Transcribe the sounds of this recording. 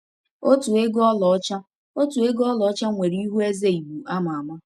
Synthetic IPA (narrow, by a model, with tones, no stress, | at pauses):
o˦tu˨e˦ɡɔ˦lɔ˨ɔ˦t͡ʃa˦ | o˦tu˨e˦ɡɔ˦lɔ˨ɔ˦t͡ʃa˦ŋʷe˨ɾi˦i˦ɦu˦e˦ze˦i˨bu˨a˦ma˨a˨ma˦